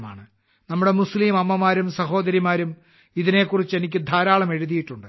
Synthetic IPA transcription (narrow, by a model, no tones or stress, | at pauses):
ma̰ːɳɨ | nɐmːuɽe̞musliːmɐmːɐmaːɾumsɐɦo̞ːd̪ɐɾimaːɾum | iðine̞ːkːurit͡ɕːe̞nikʲːɨd̪ʱaːɾaːɭɐme̞ɻuðijiʈːuɳɖɨ